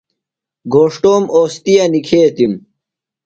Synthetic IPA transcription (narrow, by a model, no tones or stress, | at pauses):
ɡoːʂʈoːmoːst̪ijɐnikʰeːt̪im